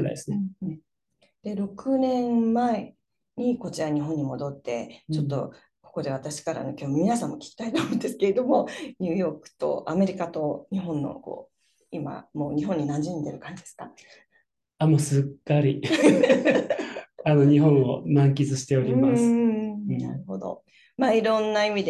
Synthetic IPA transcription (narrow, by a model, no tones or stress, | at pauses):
ɾa̰j̰̪esɨnẽ | d̪̥e̞ɾo̞kɯ̟nẽ̞mmae | ɲ̟iko̞t͡ɕiɾaɲ̟iɦõ̞ɲ̟ːimo̞d̪o̞t̪ːe̞t͡ɕo̞t̪ːo̞̰ | ko̞ko̞d̪e̞β̞at̪aɕi̥kaɾa̰no̞kʲo̞ːmomʲinasãmːo̞kʲi̥kʲi̥t̪ait̪oːmõːnd̪e̞sɨ̥ke̞ɾe̞d̪o̞mo̞ɲɨːjo̞ːkɯ̟̥t̪o̞̰ʔame̞ɾʲikat̪o̞ɲ̟iɦõ̞nːo̞̰ko̞̰ː | ima̰mo̞ːɲ̟iɦõɲ̟ːinãɲd͡ʑĩnd̪e̞ɾɯ̟kãɲ̟d͡ʑid̪esɨ̥ka | amoːsɨkːaɾʲi | anoɲiɦõ̞ɰ̃onãŋk̬ʲizɨɕi̥t̪e̞oɾʲimas | na̰ɾɯ̟ho̞d̪o̞̰ | maiɾõ̞nːaimʲid̪e